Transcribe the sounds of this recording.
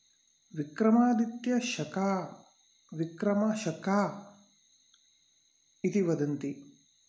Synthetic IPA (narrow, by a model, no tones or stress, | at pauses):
ʋikɾɐmaːd̪it̪jɐʃɐkaː | ʋikɾɐmɐʃɐkaː | it̪iʋɐd̪ɐnt̪i